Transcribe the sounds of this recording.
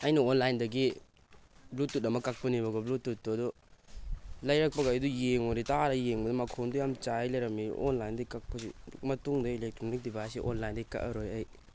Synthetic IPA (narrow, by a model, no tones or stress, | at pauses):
ɐjnɐonlajndɐɡi | blutːut̚ɐmɐkak̚pɐnibɐɡɐblutːut̚ːuɐdɔ | lɐjɾɐk̚pɐɡajdujeŋonitaɾɐjeŋbɐdɔmɐkʰondujamt͡ʃajlɐjɾɐmḭʔonlajndɐkak̚pɐsimɐtuŋdɐilek̚tɾonik̚dibajsiʔo̰nlajndɐikɐ̰ʔɐɾojaj